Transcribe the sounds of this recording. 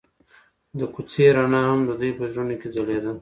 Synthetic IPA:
d̪əkut͡seɾanahamd̪əd̪ujpəʒɾunoked͡zaled̪a

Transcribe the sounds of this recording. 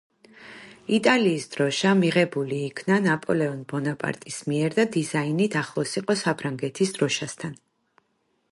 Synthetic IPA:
it̪ʼaliːsd̪̥ɾɔʃamiʁɛbuliːkʰnanapʼɔlɛɔnbɔnapʼa̰ɾt̪ʼismiɛɾd̪ad̪izainit̪ʰaχlˠɔsiqʼɔsapʰɾaŋɡɛt̪ʰisd̪ɾɔʃast̪ʰan

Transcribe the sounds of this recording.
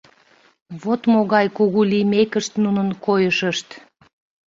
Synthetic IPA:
βot̪moɣɑjkuɣulimekəʃt̪nunənkojəʃəʃt̪

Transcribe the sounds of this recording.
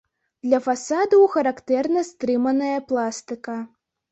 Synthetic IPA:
d̪lʲɐfasad̪ɐwxɐɾakt̪ɛrnɐst̪ɾɨmɐnɐjɐplˠast̪ɨkɐ

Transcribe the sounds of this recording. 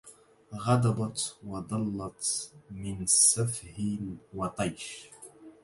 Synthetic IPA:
ɣɑd̪ɑbɑt̪wɑd̪ˤɑlːɑt̪mɪnsafhinwɑt̪ˤɑjʃ

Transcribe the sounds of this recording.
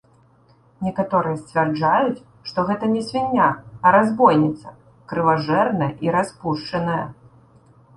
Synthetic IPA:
nʲɛkat̪ɔɾɨjɐsʲt͡sʲvʲɛrd͡ʐajut͡sʲ | ʂt̪ɔɣɛt̪ɐnʲɛsʲvʲinʲːaɐɾazbɔjnʲɛt̪sɐ | kɾɨvaʐɛrnɐjɐʔiɾaspuʂt͡ʂɐnɐjɐ

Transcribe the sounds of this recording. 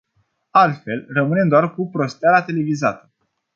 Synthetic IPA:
alt̪fe̞lrəmɨne̞md̪oarkupɾo̞st̪ealat̪e̞le̞vizat̪ə̥

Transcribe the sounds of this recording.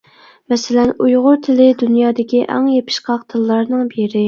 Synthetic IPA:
mɛsɪlɛnujʁʊɾt̪ʰɪlɪd̪unjɑːd̪ɪkʲiʔɛ̰ŋjepʰɪ̥ʃqɑqt̪ʰɨlːɑɾnɨŋbiɾɪ

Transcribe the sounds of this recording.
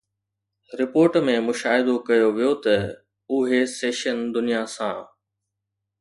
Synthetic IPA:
ɾɪpoːɾʈmẽmʊʃaːɦɪd̪okɐjoʋijot̪ɐ | ʊɦeseːʃənd̪ʊnijasãː

